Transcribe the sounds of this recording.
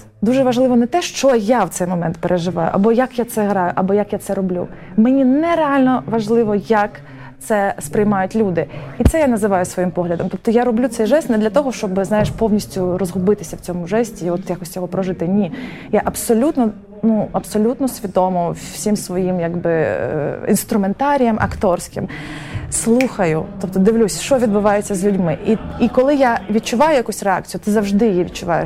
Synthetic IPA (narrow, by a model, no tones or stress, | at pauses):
d̪uʒɛʋɐʒlˠɪʋɔnɛt̪ɛʃt͡ʃɔjawtsɛjmɔmɛnt̪peɾʔeʒɪʋɑjʊ̰ʔɐ̰bɔjɐkjat̪sɛɦɾɑjʊʔɐbɔjɐkjat̪sɛɾɔblʲṵmɛnʲinɛɾeɑlʲnɔʋɐʒlˠɪʋɔjɐk | t̪sɛspɾɪjmɑjʊtʲlʲud̪ɪit̪sɛjanɐzɪʋɑjʊsʋɔjimpɔɦlʲɐd̪ɔmt̪ɔp̚t̪ɔjaɾɔblʲut̪sɛjʒɛst̪nɛd̪lʲɐt̪ɔɦɔʃt͡ʃɔbɪznɑjeʃpɔwnʲisʲtʲʊrɔzɦʊbɪt̪ɪsʲɐwt͡sʲɔmʊʒɛsʲtʲiɔt̪jakɔsʲjɔɦɔpɾɔʒɪt̪ɪnʲi | jaʔɐbsɔlʲut̪nɔ | nuɐpsɔlʲut̪nɔsʲʋʲid̪ɔmɔsʲimsʋɔjimjaɡbɪ | ḭnst̪ɾʊment̪ɑɾʲijɐmʔɐ̰kt̪ɔrsʲkɪ̰m | slˠuxɐjʊt̪ɔp̚t̪ɔd̪ɪʋlʲusʲʃt͡ʃɔʋʲid̪bʊʋɑjet͡sʲːɐzʲlʲʉdʲmɪʔiikɔlˠɪjaʋʲid̪t͡ʃʊʋɑjʊjɐkusʲrɛa̰k̚t͡sʲjʊt̪ɪzɐwʒd̪ɪjjiʋʲid̪t͡ʃʊʋɑjɪ̰